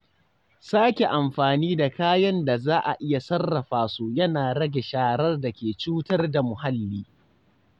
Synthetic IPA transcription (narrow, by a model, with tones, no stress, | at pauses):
saː˦kʲe˨ʔa˨mɸaː˨niː˦da˨kaː˦jɐ˦nda˨zaː˦ʔa˨ʔɪ˦ja˨sɐ˦rːɐ˨ɸaː˨su˦jɐ˦naː˨ɾɐ˦ɡʲe˨ʃaː˦ɾɐ˦rdɐ˨kʲeː˨t͡ʃuː˦tɐ˦rda˨mʊ˨ha˦lːiː˦